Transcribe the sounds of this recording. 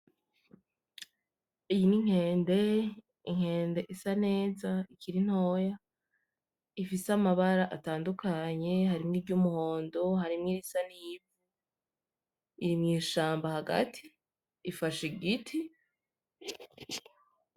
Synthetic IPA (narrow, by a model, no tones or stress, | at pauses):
ijiniŋ̥he̞ːnde̞ | iŋ̥he̞ːnde̞ʔisane̞ːzaikʰiɾin̥ho̞ːja | ifiseamaβaɾaʔataːndukʰaɲe̞haɾimŋiːbɟumuho̞ːndo̞ɦaɾimŋiːɾisanijivu | iɾimŋiːʃaːmbahaɡa̰tʰiː | faʃiɡitʰi